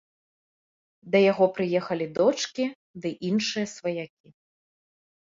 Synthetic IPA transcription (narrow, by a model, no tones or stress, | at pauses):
d̪ɐjaɣɔpɾɨjɛxɐlʲid̪ɔt͡ʂkʲi | d̪ɨʔinʂɨjɐsvɐjakʲi